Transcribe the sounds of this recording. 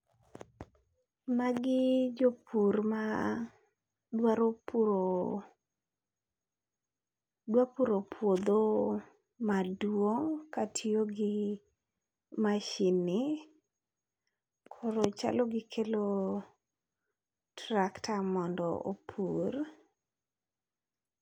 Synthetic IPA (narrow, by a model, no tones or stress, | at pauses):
maɡɪd͡ʒopurma | dwaɾopo | dwapuɾopʰwod̪o | madwoŋkatʰioɡɪ | maʃinɪ | kʰɔɾɔt͡ʃa̰lɔɡɪkʰelo | tɾaktamɔndɔ̰o̰pʰur